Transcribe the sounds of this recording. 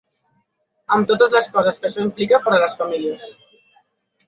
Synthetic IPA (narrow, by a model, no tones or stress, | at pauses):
əmt̪ot̪əzləskɔzəskəʃɔimplikəpəɾələsfamiliəs